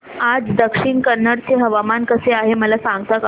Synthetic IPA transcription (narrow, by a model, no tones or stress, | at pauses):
ad͡zd̪əkʂiɳkəɾnːəɽt͡seɦəʋamankəseaɦeməlasãŋɡt̪ək